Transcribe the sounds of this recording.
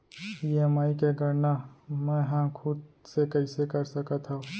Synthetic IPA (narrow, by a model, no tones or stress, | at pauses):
piemaːikeɡəɾnamɛ̃ːɦãkʰʊd̪sekəɪsekəɾsəkat̪ʰa